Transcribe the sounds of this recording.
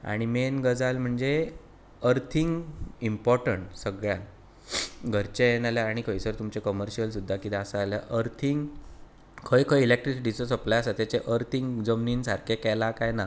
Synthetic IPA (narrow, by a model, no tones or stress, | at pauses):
a̰ɽ̃imenɡəd͡zalm̤əɳd͡ze | əɾt̪ʰiŋɡimpɔɾʈəɳʈsəɡɭjan | ɡʱəɾt͡ɕeenaljaːɽ̃ikʰəjsəɾt̪umt͡ɕekəməɾɕiəls̬ud̪ʱːakit̪asaːlja̰ʔəɾt̪ʰiŋɡ | kʰəjkʰəjilek̚ʈɾisiʈit͡sɔsəplajasat̪et͡ɕeʔəɾt̪ʰiŋɡd͡zəmniːnsaɾkʰekɛlakajna